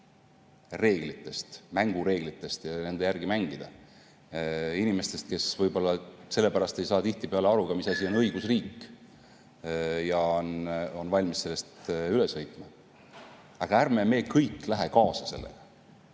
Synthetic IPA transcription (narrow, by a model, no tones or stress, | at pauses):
re̞ːɡ̥lit̪ːˑe̞st̪mæŋɡ̥uɾe̞ːɡ̥lit̪ˑːe̞st̪jɑne̞nd̪ejærɡ̥imæŋɡ̥id̪̥ɑ | inime̞st̪e̞st̪̚ke̞svɤjbo̞lːɑse̞lːe̞pæɾɑst̪e̞jsɑːt̪iht̪ipe̞ɑleɑɾukɑmisɑsʲio̞nɤjɡ̥usriːkːˑ | jɑono̞nvɑlʲmisselːe̞st̪yle̞shɤjt̪ˑmɑ | ɑɡ̥ɑærme̞me̞ːkɤjkːˑlæɦe̞kɑːsɑse̞lːḛɡ̥ɑ